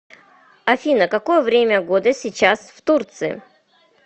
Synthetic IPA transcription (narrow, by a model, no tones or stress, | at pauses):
ɐfʲinəkɐko̞jəvɾʲemʲəɡod̪əsʲɪt͡ɕasft̪urt̪sɨɪ̰